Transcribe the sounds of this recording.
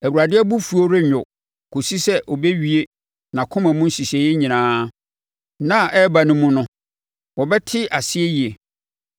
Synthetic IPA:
æ˨wu˨ɾa˨dɪ˦ɛ˦bu˦fu˨˦o˦ɾɪ˦ɲᶣʊ˨ | kʰo˨si˦sɛ˦ʔɔ˨be˦ɥi˦e˦ | nã˨kʰʊ̃˦mã˨mũ˦n̩˦si˨se˨jɪ˦ɲĩ˨nãː˦ | nã˦˨ʔɛ˦ba˨nʊ̃˦mːũ˦nʊ̃˦ | wɔ˨bɛ˦tʰɪ˦ʔa˨sɪ˦e˦ji˨e˨

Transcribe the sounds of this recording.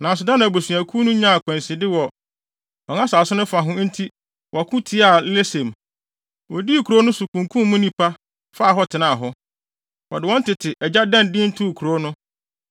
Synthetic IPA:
nã˨s̬ʊ˨dã˦n˨a˨bo˨su˨æ˨kʰu˦nʊ̃˦ɲã˦˨a˨kʰʷɛ̃˨nsɪ˨dɪ˦wɔ˨ | ɔ˨ŋã˦saː˨sʊ˦nʊ̃˦fa˨ɦʊ̃˦n̩˦tʰi˦ | wʔɔ˨a˨kʰʊ̃˦tʰi˦a˨˦le˦sɛ̃˨m | wɔ˨di˦˨kʰu˨ɾo˦nʊ̃˦sʊ˨kʰũ˨ŋkʰũ˦mːʊ̃˦nĩ˦pʰa˦ | fa˦˨ɦɔ˦tʰɪ˨nã˦˨a˨ɦɔ˦ | wɔ̰˨dɪ˨wɔ̃˦n˦tɪ˨tʰɪ˨ʔɛ˨d͡ʑa˦dã˦ndɪ̃˦n̩˦tʰʊ˦˨kʰu˨ɾo˨˦nʊ̃˦

